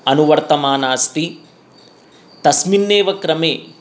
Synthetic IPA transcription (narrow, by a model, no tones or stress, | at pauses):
ɐnuʋɐɾt̪ɐmaːnaːst̪i | t̪ɐsminːeːʋɐkɾɐmeː